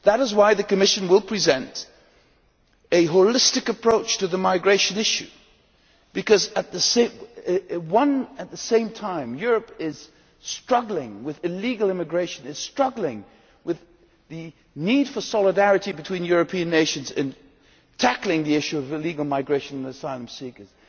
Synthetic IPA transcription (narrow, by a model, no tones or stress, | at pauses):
ðəɾɨzwaɪðɨkɨmɪʃɨ̃nwəlˠpʰɹ̥izɛ̃nt | ɨɦoʊlɪstɨkɨpʰɹ̥oʊt͡ʃtʰɨðɨmaɪɡɹeɪʃɨ̃nɪʃʉ | b̥ɨkʌzɨt̪̚ðɨsẽ | wʌ̃nɨt̪̚ðɨsẽɪ̃mtʰãɪ̃mjʊɹɨpɪz̥ | stɹ̥ʌɡl̩ˠɪ̃ŋwɨðɨliɡl̩ˠɪ̃mɨɡɹeɪʃɨ̃nɨz̥stɹ̥ʌɡl̩ˠɪ̃ŋ | wɨð | ɨ | nid̥fə˞sɑlˠədæɹɨɾibɨtʰw̥ĩnjʊɹɨpʰĩɨ̃nːeɪʃɨ̃nzɨ̰̃n | tʰæklˠɪ̃ŋðiɪʃʉʌvɨliɡl̩ˠmaɪɡɹeɪʃɨ̃ñnəsaɪlˠə̃m̩sikə˞z̥